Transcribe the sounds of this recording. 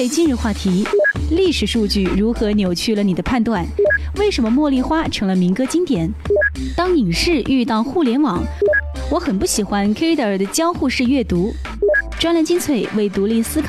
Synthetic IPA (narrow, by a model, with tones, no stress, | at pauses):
ɪt͡ɕi˥nɻ̩˧xwa˥˩t̪ʰi˧˥li˥˩ʂɻ̩˨˩ʂu˥˧t͡ɕy˥˩ɻu˧˥xɤ˧˥njo˨˩ʊt͡ɕʰy˥˩lə˩ni˨˩d̪ə˦pʰa˥˧nt̪wa˥˧nwe˥˩ɪʂə˧˥nmə˧mwɔ˥˧li˥˧xwa˥ʈ͡ʂʰɤ˧˥ŋlə˧mi˧˥ŋkɤ˥t͡ɕi˥ŋt̪jɛ˨˩˦nt̪ɑ˥ŋi˨˩ŋʂɻ̩˥˧ʔy˥˧t̪ɑ˥˧ʊxu˥˩ljɛ˧˥nwɑ˨˦ŋ | wɔ˨˧˥xə˨˩npu˥˩ɕi˨˩xwa˧˥nkʰi˥t̪ə˨˩d̪ə˦t͡ɕjɑ˥ʊxu˥˧ʂɻ̩˥˧ɥɛ˥˩t̪u˧˥ | ʈ͡ʂwa˥nla˧˥nt͡ɕi˥˧nt͡sʰwe˥˩ɪwe˥˩ɪt̪u˧˥li˥˧sɹ̩˥kʰ